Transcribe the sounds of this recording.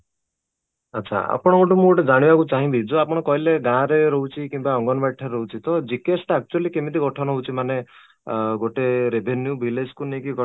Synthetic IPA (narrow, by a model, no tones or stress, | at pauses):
atːt͡ʃʰa̰a̰pɔɽ̃ɔɡoʈumũɡoʈed͡ʒaɽ̃ibakut͡ʃaɦĩbid͡ʒuapɔɽ̃ɔkɔɦileɡãɾeɾɔɦut͡ʃʰikĩmbaɔŋɡɔnɔbaʈʰːaɾeɔɦut͡ʃʰit̪ɔd͡ʒikesʈak̚t͡ʃualikemit̪iɡɔʈʰɔnɔɦɔwt͡ʃʰimane | ɡoʈeɾebʱenjubʱiled͡ʒkunekiɡɔ